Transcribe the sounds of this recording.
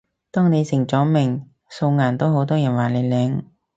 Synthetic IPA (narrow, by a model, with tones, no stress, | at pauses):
t̪ɔː˥ŋne˨˧jsɪ˨˩ŋt͡sɔː˨˥mɪ˨˩ŋ | so˧wŋaː˨˩nt̪o˥wɦo˨˥wt̪ɔː˥jɐ˨˩nwaː˨˩ne˨˧jlɛː˨˧˥ŋ